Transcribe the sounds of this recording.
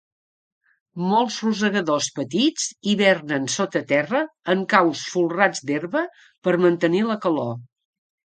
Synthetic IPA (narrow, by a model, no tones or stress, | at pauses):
molˠzruzəɣəðospət̪id͡ziβɛrnənsot̪ət̪ɛrəəŋkawsfulˠrad͡zd̪erβə | pəɾmənt̪əniləkəlo